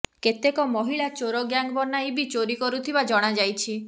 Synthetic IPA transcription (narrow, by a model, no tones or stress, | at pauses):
ket̪ekɔmɔɦiɭat͡ʃoɾɔɡjaŋɡbɔnajbit͡ʃoɾikɔɾut̪ʰibad͡ʒɔɽ̃ad͡ʒajt͡ʃʰi